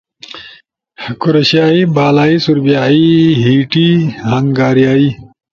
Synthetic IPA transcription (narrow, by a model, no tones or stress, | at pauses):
kuɾɐɕjaːibaːlaːisuɾbijaːiɦiːʈiːhɐŋɡaːɾijaːiː